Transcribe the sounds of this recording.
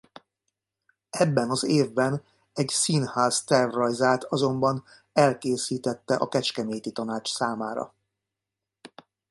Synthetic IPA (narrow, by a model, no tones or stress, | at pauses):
ɛbːɛnɒzeːvbɛn | ɛɟsinhaːst̪ɛrrɒjzaːt̪ɒzo̞mbɒn | ɛlkeːsiːt̪ɛt̪ːɛʔɒkɛt͡ʃkɛmeːt̪it̪ɒnaːt͡ʃsaːmaːɾɒ̰